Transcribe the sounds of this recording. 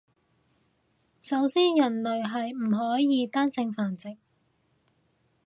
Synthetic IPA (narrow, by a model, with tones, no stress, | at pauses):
sɐ˨˥wsiː˥njɐ˨˩nlɵ˨ɥɦɐ˨jm̩˨˩ɦɔː˨˥jjiː˨˧t̪aː˥nsɪ˧ŋfaː˨nt͡sɪ˨k̚